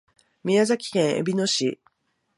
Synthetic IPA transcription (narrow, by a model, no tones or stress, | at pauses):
mʲiazakʲi̥kẽ̞ɰ̃ḛbʲino̞ɕḭ